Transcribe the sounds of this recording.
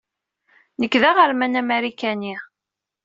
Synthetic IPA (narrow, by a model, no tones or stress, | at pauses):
nəkːðæʁəɾmænæmæɾikæni